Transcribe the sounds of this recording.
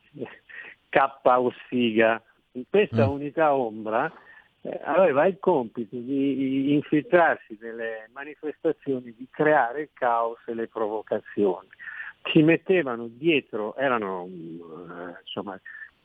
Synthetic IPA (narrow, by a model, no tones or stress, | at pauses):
kapːaosiːɡa | ŋkwest̪aunit̪aombɾa̰ | a̰vɛːvailkɔmpit̪od̪iːɱfilt̪ɾarsid̪elːemanifest̪at̪sːjoːnid̪ikɾeaːɾeilkaoselepɾovokat̪sːjoːnikimet̪ːeːvanod̪jɛːt̪ɾoʔɛːɾano | nsomːa